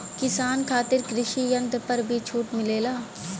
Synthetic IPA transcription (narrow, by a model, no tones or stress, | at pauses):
kɪsaːnkʰaːt̪ɪɾkɾɪʃijɐ̃nd̪pɐɾbʱit͡ʃʰuːʈmɪleːlaː